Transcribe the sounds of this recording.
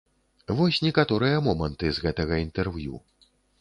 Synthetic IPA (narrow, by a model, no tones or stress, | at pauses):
vɔsʲnʲɛkat̪ɔɾɨjɐmɔmɐnt̪ɨzɣɛt̪ɐɣɐint̪ɛrvjṵ